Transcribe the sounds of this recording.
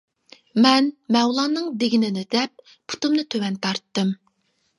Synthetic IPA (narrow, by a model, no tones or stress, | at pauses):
mɛnmɛwlˠɑːnɨŋd̪eɡʲinɪnɪd̪ɛp̚ | pʰu̥t̪umnɨt̪ʰøwɛnt̪ʰɑɾt̪ːɨm